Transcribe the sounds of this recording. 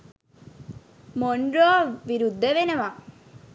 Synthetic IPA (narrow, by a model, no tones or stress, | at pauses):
moɳɖɾoːʋiɾud̪ʱːəʋenəʋa